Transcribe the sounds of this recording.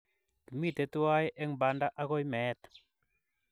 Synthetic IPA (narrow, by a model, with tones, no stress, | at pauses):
ki˨mi˦˨t̪e˨˦twa˦jʔɛ˦ŋba˨nda˦ʔa˦kɔ˦jmɛ˨˦t̪